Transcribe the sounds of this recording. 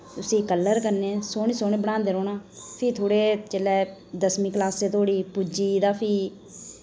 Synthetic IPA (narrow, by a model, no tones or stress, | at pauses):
t̪ʊsĩːkəlːəɾkənːeːsoːniːsoːnẽːbəɽ̃ãːnd̪eːɾoːnãːpʰiːt̪ʰoːɽeːt͡ʃeːlɛːd̪əsmiːklaːseːt̪ʰoːɽiːpud͡ʒiːd̪aːpʰiː